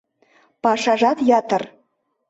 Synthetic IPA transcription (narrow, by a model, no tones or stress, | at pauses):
pɑʂɑʒɑt̪jɑt̪ɤ̆r